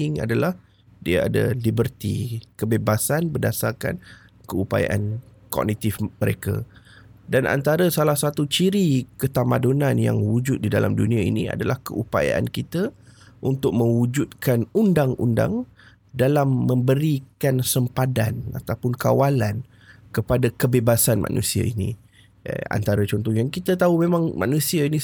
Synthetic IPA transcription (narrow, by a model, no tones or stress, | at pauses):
ɪŋa̰dalah | diaa̰da̰libərt̪ḭkəbebasanbərdasarka̰n | kəupa̰ja̰ʔa̰n | kɔ̰k̚nit̪ɪfməɾeka̰ | danʔa̰nt̪aɾəsalahsat̪ut͡ʃiɾikət̪amadonãnja̰ŋwud͡ʒʊt̪̚didalamdunĩaḭnia̰dalahkəʔupa̰ja̰ʔa̰nkit̪a | ʔunt̪ʊk̚mə̃ŋwud͡ʒut̪̚kanundaŋṵnda̰ŋ | dalamːə̃mbəɾikansəmpadana̰t̪awpʊnkawalan | kəpadakəbebasanma̰nʔṵsia̰inḭ̃ | a̰nt̪aɾat͡ʃɔnt̪ɔŋjaŋkit̪ət̪aumemãŋma̰nũsiainĩ